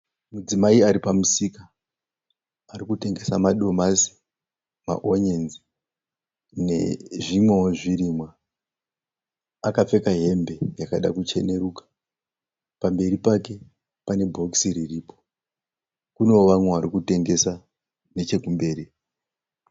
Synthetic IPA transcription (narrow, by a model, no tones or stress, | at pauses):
mud͡zimaiaɾipamusika | rikute̞ŋɡe̞samaɗo̞masi̥ | ma̰ʔoɲenzi | ne̞̰ʐimweoʐiɾimwa | akap͡fe̞kaɦe̞mbe̞jakaɗa̰kut͡ʃe̞ne̞ɾuːkḁ | pambe̞ɾipake̞ | pane̞bʱo̞ksiɾiripo̥ | kuno̞ʋamweʋaɾikute̞ŋɡe̞sa | ne̞t͡ʃe̞kumbe̞ːɾi